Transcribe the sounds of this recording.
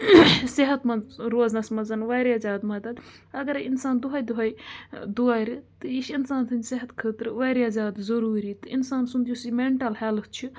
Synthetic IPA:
siɦɐt̪mɐɾoːznɐsmɐzɐnʋaːɾiazʲaːd̪mɐd̪ɐd̪ | ɐɡɐɾinsaːnd̪uɦɐjd̪uɦɐjd̪uaːɾʲit̪ɨiʃinsaːnt̪ʰɨnd͡ʒsiɦɐt̪kʰəːt̪ɾɨʋaːɾijazʲaːd̪zɐɾuːɾiːt̪ɨinsaːnsund̪ijusimeɳʈɐlhelft͡ʃʰi

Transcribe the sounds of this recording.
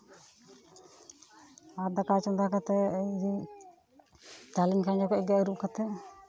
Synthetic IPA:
aɾd̪akat͡ʃɔnd̪akat̪ɛəjdi | t̪alimkʰand͡ʒɔkɔɛɡaəɾuʔkat̪ɛ

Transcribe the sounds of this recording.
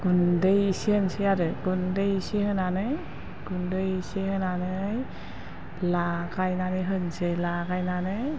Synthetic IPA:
ɡundɯjsihɯnsɯjaɾɯɡundɯjsihɯnanɯj | ɡ̥undɯjsihɯnanɯj | lakajnanɯjɦɯnsɯjlaɡajnanɯ

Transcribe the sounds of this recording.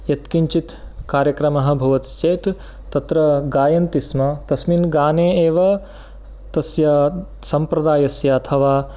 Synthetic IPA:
jɐt̪kiɲt͡ʃit̪kaːɾjɐkɾɐmɐɦɐ̆bʱɐʋɐt̪t͡ʃeːt̪ | t̪ɐt̪ɾɐɡaːjɐnt̪ismɐt̪ɐsminɡaːneːeːʋɐ | t̪ɐsjɐ | sɐmpɾɐd̪aːjɐsjɐɐt̪ʰɐʋaː

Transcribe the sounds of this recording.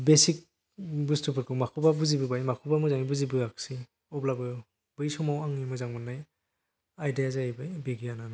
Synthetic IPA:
besik̚ | bustɯpʰɯɾkʰɯmakʰubabuzibɯbajmakʰubamɯzaŋibuzibɯaksi | ɔblabɯj | b̥ɯjsɔmawaŋimɯjzaŋmɯnːaj | ajdijazajibɯjbeɡijanana

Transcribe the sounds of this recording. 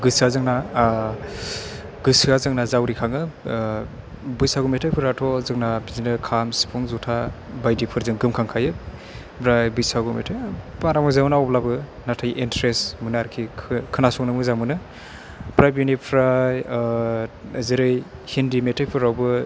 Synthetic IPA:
ɡɯsazɯŋna | ɡɯsiazɯŋnazawɾikʰaŋɯ | bɯjsaɡumetʰajpʰɯɾatʰɔzɯŋnabizinɯkʰamsi̥pʰɔŋzutʰa | bajdipʰɯɾzɯŋɡɯmkʰaŋkʰajɯ | bɾajbɯjsaɡumḛtʰɯjpaɾamɯzamunawblabɯnatʰajʔentɾesmɯnaaɾkʰikʰɯnasɔŋnɯmɯzamɯnɯ | bɾajbinipʰɾaj | ziɾɯjhindimetʰajpʰɯɾawbɯ

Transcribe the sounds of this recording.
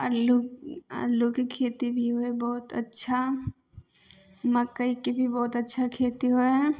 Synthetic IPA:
əluə̰lukikʰeːt̪ibʱiɦoebɔːt̪ɐ̰tːʃʰa | mɐkːəikebʱibɔːt̪ɐtːʃʰakʰeːt̪iɦoɛ

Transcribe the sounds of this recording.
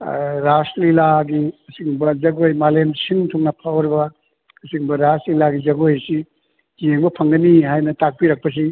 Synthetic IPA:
ɾaslilaɡiɐsiŋbɐzɐɡojmalemsiŋtʰɔŋnɐpʰawɾbɐ | ɐsiŋbɐɾaslilaɡizɐɡojsi | zeŋbɐpʰɐŋɡɐniɦajnɐtak̚piɾɐk̚pɐs̬i

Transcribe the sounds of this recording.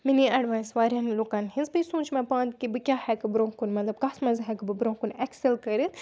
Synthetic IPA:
miniɐɖʋaːsʋaːɾjanloːkaːnhinzbisũːt͡ʃmẽpãːnd̪kibɨkʲaːhɛkɨbɾõːkunmɐt̪lɐb̚kaːsmɐzɦɛkɨbɨbɾõːkunekselkɐɾit̪

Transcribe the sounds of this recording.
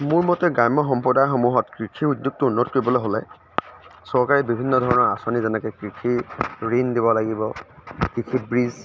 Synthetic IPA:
mʊɹmɔtɛɡajmɔxɔmpɔdaxomuɦɔtkɹikʰiudjuk̚tʊunːɔtkɔɹibɔlojɦolɛ̰ | sɔɹkaɹibibʱinːɔdʱɔɹɔnɔɹasɔnizɛnɛkɛkɹikʰiɹindibɔlaɡibɔkɹikʰit̚bɹiz

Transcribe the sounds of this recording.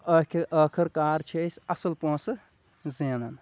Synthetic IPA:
əkʰəːkʰɐɾkaːɾt͡ʃʰiɐsɐsɐlpõːsɨ | zeːnɐn

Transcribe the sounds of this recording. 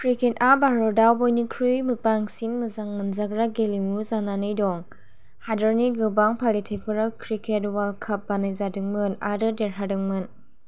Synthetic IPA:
pʰɾikʰetabaɾɔdawbɔjnikʰɾujmɯpaŋsinmɯzaŋmɯnzaɡɾaɡelimuzananɯjdɔŋ | hadəɾniɡɯbaŋpʰalitʰepʰɯɾalkʰɾikʰetwalkʰɐp̚banajzadɯŋmɯna̰dɯdeɾɦadɯŋmɯn

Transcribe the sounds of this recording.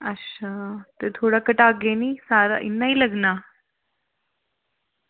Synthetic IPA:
əɕat̪ət̪ʰoɽakəʈaɡenisaɾa̰ʔḭnːailəɡna

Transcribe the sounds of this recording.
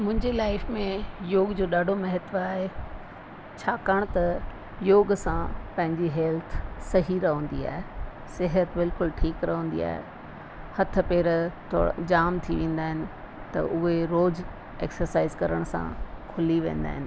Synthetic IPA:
mʊ̃ɦɪ̃ɲd͡ʑelaːɪfmẽjoːɡd͡ʑoːɗaːɖʱomɐɦət̪ʋaːɦe | t͡ɕʰaːkaːɽ̃t̪ɐ | joːɡsãpɐ̃ɦɪ̃ɲd͡ʑiɦɛːlt̪ʰsɐɦiɾɐɦə̃ːn̆d̪ia̰ːɦe | sɪɦət̪bɪlkʊlʈʰiːkɾɐɦə̃ːn̆d̪ḭa̰ːɦḛ | hɐt̪ʰə̆peːɾt̪ʰo̰d͡ʑaːmt̪ʰiʋẽːn̆d̪aːɦɪnɪ̆ | t̪ɐ̰ʔʊɦeɾoːd͡ʑ | ḛːksəɾsaːɪzkɐɾəɽ̃sã̰kʰʊliʋḛ̃ːn̆d̪a̰ːɦɪnɪ̆

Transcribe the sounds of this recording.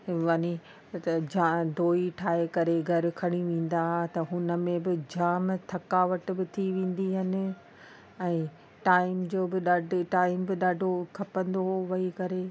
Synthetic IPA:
ʋɐni | d͡ʑad̪ʱoːiʈʰaːɦekɐɾeɡʱɐɾɪ̆kʰɐɽ̃iʋẽːn̆d̪aɦat̪ɐɦʊnə̆mẽbɪd͡ʑaːmt̪ʰɐkaːʋəʈbɪt̪ʰiʋẽːn̆d̪iɦɪnɪ̆ | ɛ̃ː | ʈaːɪmd͡ʑoːbɪɗaːɖʱʈaːɪmbɪɗaːɖʱokʰɐpə̃nd̪oɦʋɐɦikɐɾe

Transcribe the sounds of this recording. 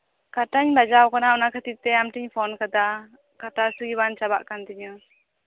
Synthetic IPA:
kaʈaɲbad͡ʒawkɔnaɔnakʰət̪it̚t̪ɛamʈiɲpʰɔnkad̪a | kaʈasɯɡibant͡ʃaba̰ʔkand̪iɲɯ

